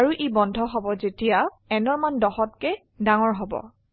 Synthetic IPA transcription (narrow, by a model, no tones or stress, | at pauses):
aɹuʔibɔndʱɔɦɔbɔzetija | ɛnɔɹmandɔxɔtkɛ | daŋɔɹɦɔbɔ̰